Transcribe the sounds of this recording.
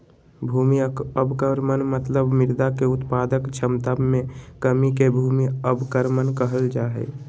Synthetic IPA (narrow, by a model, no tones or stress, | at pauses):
bʱuːmiəbkəɾmənmət̪ləbmɪɾd̪akeʊt̪paːd̪əkt͡ʃʰəmt̪abmẽkəmikebʱuːmiəbkəɾmənkəɦəld͡ʒaːɦḛː